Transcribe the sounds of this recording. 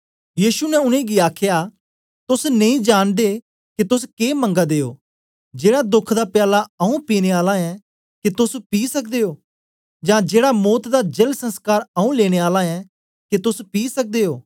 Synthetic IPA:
jiːʃunɛʊnẽːɡiaːkʰjaː | t̪ʊsnẽĩːd͡ʒaːnd̪e | kit̪ʊskeːmə̃ŋɡad̪eːo̰ː | d͡ʒeːɽaːd̪ʊkʰd̪aːpjaːlaɐũpiːneaːlãɛ̃ː | kit̪ʊspiːsɐk̚ʰd̪eːoː | d͡ʒãːd͡ʒeːɽamoːt̪d̪aːd͡ʒelsə̃nskaːɾɐũleːɽ̃eaːlãɛ̃ | kit̪ʊspiːsək̚d̪eːoː

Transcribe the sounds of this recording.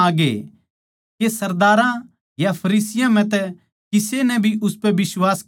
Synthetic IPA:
ɡḛ | kesɐɾd̪aːɾã | japʰɐɾiːsɪjãm̤ɛ̃t̪ɛ | kɪsenɛ̃bʱiʔʊspɛbɪswaːs

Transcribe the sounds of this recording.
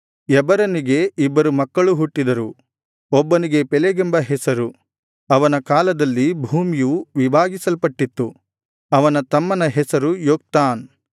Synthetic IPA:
ɛbɐɾɐniɡeibːɐɾumɐkːɐɭuɦuʈːid̪ɐɾu | ɔbːɐniɡe̞pɛleɡembɐɦɛsɐɾu | ɐʋɐnɐkaːlɐd̪ɐlːibʱuːmijuʋibʱaːɡisɐlpɐʈːit̪ːu | ɐʋɐnɐt̪ɐmːɐnɐɦɛsɐɾujoːk̚t̪aːn

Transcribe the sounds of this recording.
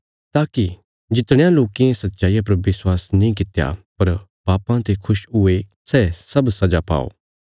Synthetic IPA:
t̪aːki | d͡ʒɪt̪ɽ̃ẽjãloːkiẽsɐt̪ːʃaːijapɐɾʋɪswaːsnĩk̬ɪt̪ja̰pɐɾ | baːpãt̪ekʰʊʃʊe | sɛːsɐbsɐd͡ʒapa̰ːo̰ː

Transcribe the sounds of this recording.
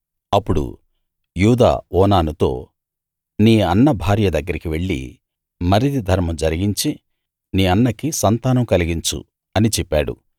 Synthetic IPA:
ɐpːuɽṵ | juːd̪a̰ːɔːnaːnut̪o̞̰ː | niːɐnːɐbʱaːɾjɐd̪ɐɡːɐɾikiʋe̞ɭːḭ | mɐɾid̪id̪ʱɐɾmɐmd͡ʒɐɾiɡiɲt͡ʃi | niːɐnːɐkisɐnt̪aːnɐmkɐliɡiɲt͡ʃṵ | ɐnit͡ʃɛpːaːɽṵ

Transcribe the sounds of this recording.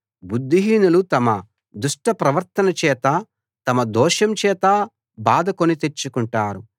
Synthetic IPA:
bud̪ʱːiɦiːnulut̪ɐmɐ | d̪uʂʈɐpɾɐʋɐɾt̪ɐnɐt͡ʃɛːt̪ɐ | t̪ɐmɐd̪ɔːʃɐmt͡ʃɛːt̪ɐ | baːd̪ɐkonit̪et͡ʃːukuɳʈaːɾu

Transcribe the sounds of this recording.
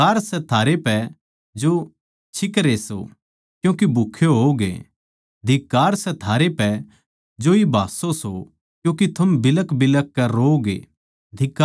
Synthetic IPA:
aːɾsɛt̪ʰaːɾepɛ | d͡ʒo | t͡ʃʰɪkɾeso̰ | kjũːkibʱʊkʰːjoɦoːɡḛ | d̪ʱɪkːaːɾsɛt̪ʰaːɾepɛ | d͡ʒoibʱaːsoso | kjũːkit̪ʰɐmbɪləkbɪləkːɛɾoːoɡḛ | d̪ʱɪkːa

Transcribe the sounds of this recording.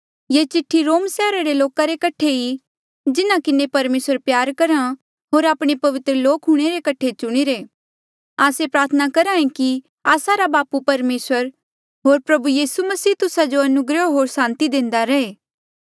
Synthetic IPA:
jeːt͡ʃɪʈʰːiɾoːmsɛːɾaɾeloːkaɾekɐʈʰei | d͡ʒɪnãkɪnepɐɾmeːsəɾpjaːɾkɐɾã | ɦoːɾaːpɽ̃epɐʋɪt̪ɾəloːkɦʊɽ̃eɾekɐʈʰet͡ʃʊɽ̃iɾeː | aːsepɾaːɾt̪ʰənakɐɾãːẽki | aːsaɾabaːpupɐɾmeːsəɾ | ɦoːɾpɾɐbujiːsumɐsiːt̪ʊsad͡ʒoɐnʊɡɾəoɦoːɾsãːnt̪id̪ẽːnd̪aɾɐeː

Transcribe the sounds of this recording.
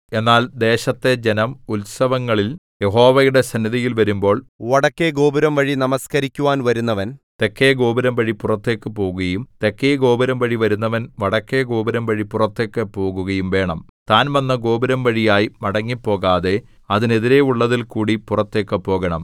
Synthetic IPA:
e̞nːaːld̪e̞ːɕɐt̪ːe̞d͡ʑe̞nɐmulsɐʋɐŋːɐɭil | je̞ɦo̞ːʋɐjuɽe̞sɐnːiðɐjilʋɐɾumbo̞ːɭʋɐɽɐkːeɡoːbiɾɐmʋɐɻinɐmɐskɐɾikʲːuʋaːnʋɐɾunːɐʋɐnt̪e̞kːeːɡo̞ːbiɾɐmʋɐɻipurɐt̪ːe̞ːkːɨpo̞ːɣɐjumt̪ekːeːɡo̞ːbiɾɐmʋɐɻiʋɐɾunːɐʋɐnʋɐɽɐkːe̞ɡo̞ːbɐɾɐmʋɐɻipurɐt̪ːe̞ːkːɨpo̞ːɣuɣɐjumʋe̞ːɳɐmt̪aːnʋɐnːɐɡo̞ːbiɾɐmʋɐɻijaːjimɐɽɐŋːipːo̞ːɣaːðe̞ | ɐðine̞ðiɾe̞uɭːɐðilkuːɽipurɐt̪ːe̞ːkːɨpːo̞ːɣɐɳɐm

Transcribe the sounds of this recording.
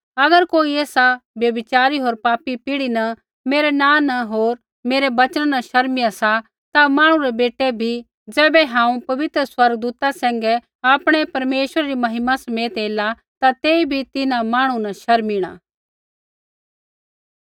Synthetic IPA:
ɐɡəɾkoːiɛːsabjɐbɪt͡ʃaːɾiɦoːɾpaːpipɪɽinɐ | meːɾɛnãːnɐɦoːɾ | meːɾɛbɐt͡ʃənnɐʃɐɾmɪjasa | t̪amãːɽ̃ũɾɛbeːʈɛbʱi | d͡zɛːbɛɦãːũpɐʋɪt̪ɾəswɐɾɡəd̪uːt̪asɛ̃ːŋɡɛ | aːpɽ̃ɛpɐɾmeːʃwəɾaɾimɐɦɪmasɐmeːət̪eːla | t̪at̪eːibʱit̪ɪnãmaːɽ̃ũnɐʃɐɾmiɽ̃a̰ː

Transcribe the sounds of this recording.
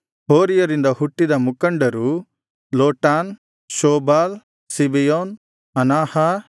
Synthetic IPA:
ɦoːɾijɐɾind̪ɐhuʈːid̪ɐmukɐɳɖɐɾu | loːʈaːn | ʃoːbaːl | sibijoːn | ɐnaːhɐ

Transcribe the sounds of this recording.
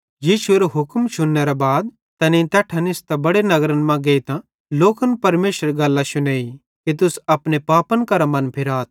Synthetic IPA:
jiːʃueɾɛɦʊkmt͡ʃʰʊnːɛɾɛbaːd̪ | t̪ɐnĩt̪ɛːʈʰɐnɪst̪ɛbɐɽenɐɡɾənmãɡeːit̪ã | loːkənpɐɾmeːʃəɾɡɐlːaʃʊneːi | kit̪ʊsɐpnepaːpənkɐɾamɐ̃npʰɪɾaːt̪̚ʰ

